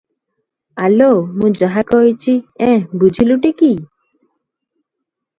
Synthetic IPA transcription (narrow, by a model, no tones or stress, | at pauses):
alomũd͡ʒaɦakɔɦit͡ʃʰiɛ̃bud͡ʒʱiluʈiki